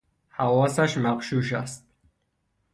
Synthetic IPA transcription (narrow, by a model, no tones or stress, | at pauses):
hawɔsaʃmaqʃuʃa̰st̪̚